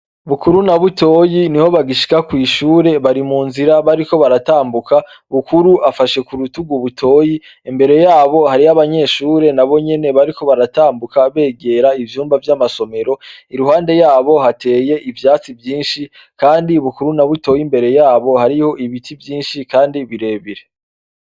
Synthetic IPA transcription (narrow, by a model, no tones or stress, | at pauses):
βukuɾunaβuto̞ːjiniho̞βaɡiʃi̥kakwiːʃuːɾe̞βaɾimuːnziɾaβaɾiko̞βaɾataːmbuka | βukuɾuʔafaʃe̞kuɾutuɡuβutʰo̞ːji | imbe̞ɾe̞jaːβo̞haɾiaβaɲe̞ʃuːɾe̞naβo̞ɲe̞ne̞βaɾiko̞βaɾataːmbukaβe̞ːɡe̞ːɾaivjuːmbavjamaso̞me̞ɾo̞iɾuɦaːnde̞jaːβo̞hate̞ːje̞ʔivjaːt͡sivjiːnʃi | kaːndiβukuɾunaβuto̞ːjimbe̞ɾe̞jaːβo̞haɾiho̞ʔiβitʰivjiːnʃikaːndiβiɾe̞ːβiɾe̞